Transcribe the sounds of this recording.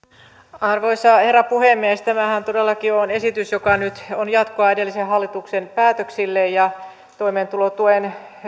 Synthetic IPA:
ɑrʋoisɑherːɑpuhemːiest̪æmæhænt̪odelːɑkionesit̪ysjokɑnyt̪onjɑt̪koɑidelːisehhɑlːit̪uksenpæːt̪øksilːejjɑ | t̪oimeːnt̪ulot̪uen

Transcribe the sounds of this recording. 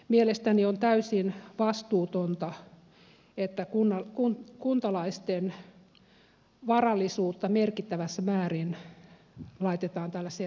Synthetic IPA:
mielest̪æniont̪æysinʋɑst̪uːt̪ont̪ɑ | et̪ːækunːɑkunkunt̪ɑlɑist̪en | ʋɑrɑlːˑisuːt̪ːɑmerkit̪ːæʋæsːæmæːrin | lɑit̪et̪ɑːnt̪ælːæse

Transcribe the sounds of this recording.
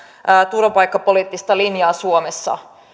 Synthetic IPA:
t̪urʋɑpɑjkːɑpo̞liːt̪ːist̪ɑlinjɑːsuomesːɑ̰

